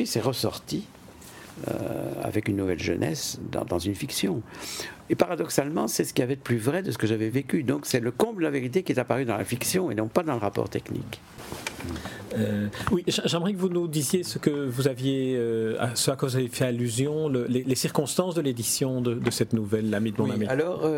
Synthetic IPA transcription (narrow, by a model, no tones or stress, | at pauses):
wisɛʁəsɔ̰ʁt̪i | ø̰a̰vɛkynːuvɛlʒə̰nʔɛ̰sd̪ɑ̰̃d̪ɑ̃zynfiksjɔ̃epaʁad̪ɔksalmɑ̃sɛsə̥kʲiavɛt̪əplyvʁɛd̪əs̬ə̥kəʒavɛvekʲyd̪ɔ̃ksɛləkɔ̃bldəlaveʁit̪̬ekʲiɛt̪apaʁyd̪ɑ̃la̰fiksjɔ̃ḛnɔ̃pad̪ɑ̃ləʁapɔ̰ʁt̪ɛknḭk | øwiʒɛʒɛmʁɛkəvunud̪izjesəkəvuzavjeøa̰səlakəvuzavjefɛalyzjɔ̃ləlelesiʁkɔ̃st̪ɑ̃sd̪əled̪isjɔ̃d̪əd̪əsɛt̪nuvɛlːamid̪əmɔ̃namialɔːʁø